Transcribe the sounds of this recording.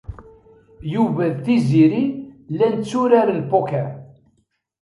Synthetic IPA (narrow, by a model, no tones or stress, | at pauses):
juvæðθiziɾilænt͡sːuɾaɾəlpokæ